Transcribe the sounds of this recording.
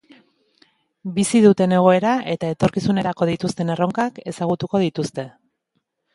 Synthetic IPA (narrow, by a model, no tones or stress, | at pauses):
bisiðut̪e̞ne̞ɣ̞o̞e̞ɾaʔe̞t̪ae̞t̪o̞ɾkisune̞ɾako̞ð̞it̪ust̪e̞ne̞ro̞ŋkake̞saɣ̞ut̪uko̞ð̞it̪ust̪e̞